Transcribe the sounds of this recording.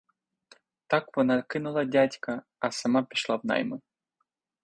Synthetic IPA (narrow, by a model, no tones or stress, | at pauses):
t̪akvonaɾkɨnulˠad̪ʲat̪ʲka | asəmapʲeʃlˠapna̰jmə